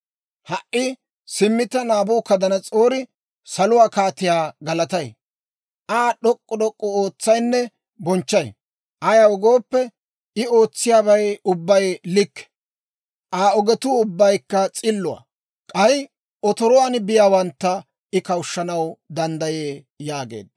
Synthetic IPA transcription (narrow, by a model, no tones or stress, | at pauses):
hɐʔʔɪ | sɪmːɪt̪ːɐnaːbʊːkɐd̪ɐnɐt͡sʼoːɾɪ | sɐlʊwaːkaːt̪ɪjaːɡɐlɐt̪ɐj | ʔaːɗɔkʼːɔɗ̪ɔkʼːɔoːt͡sːɐjnːɛ | bɔnt͡ʃːɐj | ʔɐjɐwɔɡoːpːɛ | ɪo̞ːt͡sːɪjaːbɐjʊbːɐjlɪkːɛ̥ | ʔaːɔɡɛt̪ʊʊbːɐjkːɐt͡sʼɪlːʊa̰ | kʼɐj | ɔt̪ɔɾɔwanɪbɪjaːwɐnt̪ːɐ | ɪkɐwʃːɐnɐwd̪ɐnd̪ɐjeː | jaːɡḛːd̪̚